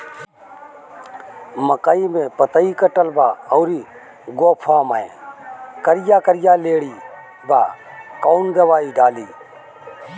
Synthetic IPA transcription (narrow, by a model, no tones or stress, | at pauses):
məkaːiːmẽːpət̪əiːkəʈəlbaːɔːɾiː | ɡoːpʰaːmaːḛ̃ːkəɾɪjaːkəɾɪjaːleːɽiː | baːkaːnd̪əʋaːiːɖaːliː